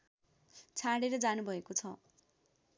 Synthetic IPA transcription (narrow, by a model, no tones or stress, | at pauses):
t͡sʰaɽeɾʌd͡zanubʱʌekot͡sʰʌ